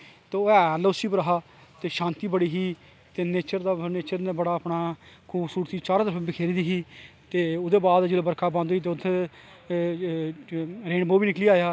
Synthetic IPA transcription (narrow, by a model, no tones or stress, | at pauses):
t̪eːɛːloːsiːpəɾəɦaː | t̪eːʃãːnt̪iːbəɽiːɦiː | t̪eːneːt͡ʃəɾd̪aːneːt͡ʃəɾneːbəɽaːəpnaːkʰuːbsuːɾt̪iːt͡ʃaːɾaːd̪əfbɪkʰeːɾĩːd̪iːɦiːt̪eːʊd̪eːbaːd̪d͡ʒeːloːbəɾkʰaːbãːnd̪oːiːt̪̬eːʊt̪ʰːeː | ɾeːɳboːbiːnɪkliːaːjaː